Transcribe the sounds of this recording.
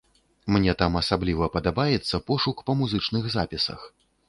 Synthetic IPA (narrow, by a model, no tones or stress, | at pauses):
mnʲɛt̪amɐsablʲivɐpɐd̪abajɛt̪sːɐpɔʂukpɐmuzɨt͡ʂnɨɣzapʲisɐ̰x